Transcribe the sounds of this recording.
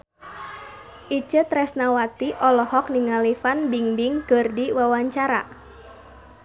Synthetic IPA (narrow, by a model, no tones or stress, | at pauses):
ʔit͡ʃət̪ɾɛsnawat̪iʔɔlɔhɔkniŋalifanbiŋbiŋɡ̥ərdiwawaɲt͡ʃaɾa̰